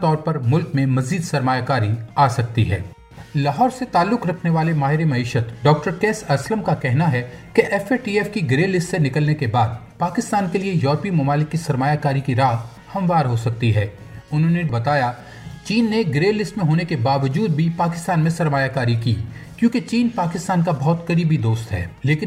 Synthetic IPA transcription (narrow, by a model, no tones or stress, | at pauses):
t̪ɔːɾpɐɾmʊlkmẽmɐziːd̪sɐɾmaːjakaːɾiaːsɐk̚t̪ḭɦɛ̰ː | lɐɦɔːɾset̪aːlːʊkɾɐkʰneʋaːlemaːɦɪɾemɐiːʃət̪ɖɔːk̚ʈəɾkeːsɐsləmkakɛɦnaɦɛkeʔɛfeʈiːɛfkiɡɾeːlɪstsenɪkəlnekebaːd̪̚ | paːkɪst̪aːnkeliejɔːɾpimɐmaːlɪkːisɐɾmaːjakaːɾikiɾaː | hɐ̃mʋaːɾɦosɐk̚t̪iɦɛː | ʊnɦõnebɐt̪aːja | t͡ʃiːnːeɡɾeːlːɪsʈmẽɦoːnekebaːʋəd͡ʒuːd̪̚bʱipaːkɪ̥st̪aːnmẽsɐɾmaːjakaːɾikḭː | kjõːket͡ʃiːnpaːkɪst̪aːnkabɔɦt̪kɐɾiːbid̪oːst̪ɦɛ̰ːleːkɪn